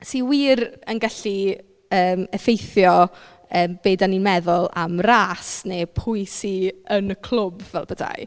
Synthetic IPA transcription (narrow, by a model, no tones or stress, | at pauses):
siwiːrənɡaɬi | əːmɛfejθjɔ | əːmb̥eːdaninmɛðʊlˠa̰mraːsnepʰʊjsiənəkʰl̥ˠʊbvɛlˠbəda̰j